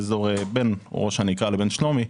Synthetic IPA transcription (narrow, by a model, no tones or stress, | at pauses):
ezoʁebenʁoʃanikalebenʃlomi